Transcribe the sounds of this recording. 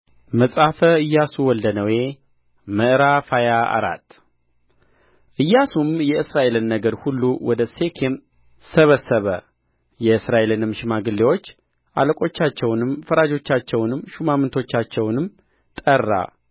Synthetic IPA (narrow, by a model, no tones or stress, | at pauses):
məsʼafəɨjːasuwɔld̪ənəwe̞ | məʔɨɾafajaa̰ɾa̰t̪ː | ʔɨjːasumjɛɨsɾaʔe̞lɨnːəɡəɾhulːuwɔd̪əse̞kʰem | səβəsːəβə | jɛɨsɾaʔe̞lɨnɨmʃɪmaɡɨlːewo̞t͡ʃː | ʔa̰ləkʼo̞t͡ʃːat͡ʃːɛwnɨmfəɾad͡ʒo̞t͡ʃːat͡ʃːɛwnɨmʃumamɨnt̪ʰo̞t͡ʃːat͡ʃːɛwnɨm | t̪ʼərːa̰